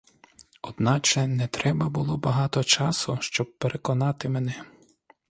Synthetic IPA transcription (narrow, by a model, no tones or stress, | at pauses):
ɔd̪nɑt͡ʃɛnɛt̪ɾɛbɐbʊlˠɔbɐɦɑt̪ɔt͡ʃɑsʊʃt͡ʃɔb̚peɾʔekɔnɑt̪ɪmenɛ